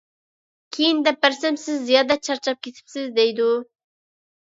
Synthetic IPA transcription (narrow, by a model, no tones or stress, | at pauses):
kʲʰejind̪ɛp̚bæɾsɛmsɪzːijɑːd̪ɛt͡ʃʰɑɾt͡ʃʰɑp̚kʲʰet̪ʰɪ̥psɪzd̪ɛjd̪u